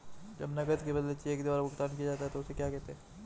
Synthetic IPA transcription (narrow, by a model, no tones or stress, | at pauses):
d͡ʒɐbnɐɡət̪kebɐd̪let͡ʃieːkd̪ɪʋaːɾbʊkt̪aːnkiad͡ʒaːt̪iɦɛt̪oʊsekjaːkɛɦt̪eɦɛ̃ː